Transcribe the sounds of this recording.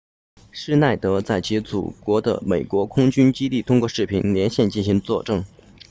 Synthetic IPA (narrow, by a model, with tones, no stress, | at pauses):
ʂɻ̩˥na˥˩ɪt̪ɤ˧˥t͡sa˥˩ɪt͡ɕʰi˧˥t͡sṵ˨˩kwɔ˧˥d̪ə̰˧me˨˩ɪkwɔ˧˥kʰʊ˥ŋt͡ɕy˥nt͡ɕi˥t̪i˥˩t̪ʰʊ˥ŋkwɔ˥˧ʂɻ̩˥˩pʰi˨˩nljɛ˧˥nɕjɛ˥˧nt͡ɕi˥˩nɕi˧˥ŋt͡swɔ̰˥˧ʈ͡ʂɤ˥˧ŋ